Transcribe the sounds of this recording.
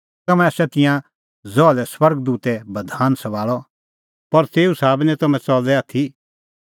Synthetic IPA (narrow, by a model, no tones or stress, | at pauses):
ɐmɛ̃ɐsɛt̪ɪ̃jã | zɔːlɛswɐɾɡd̪uːt̪ɛbɐd̪ʱaːnsɐʋaːɭɔ | pɐɾt̪eːusaːbnɛ̃t̪ɐmɛ̃t͡sɔːlɛaːt̪ʰi